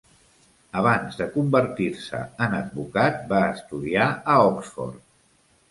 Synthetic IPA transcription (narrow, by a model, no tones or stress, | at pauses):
əβ̞anzðəkumbəɾt̪iɾsə̰ənəd̪̚βukat̪̚baəst̪uðiaəɔksfɔ̰rt̪